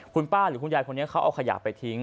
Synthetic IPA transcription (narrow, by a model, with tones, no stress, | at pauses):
kʰu˧npaː˥˩ɾɯː˨˩˦kʰu˧njaː˧jkʰo˧nːi˦˥ɐkʰa˦˥wʔa̰˧wkʰa˧ja̰ː˨˩pːa˧jt̪ʰi˦˥ŋ